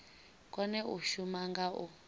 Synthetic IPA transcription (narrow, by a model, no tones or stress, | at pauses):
kʼɔnɛuʃumaŋɡaʔu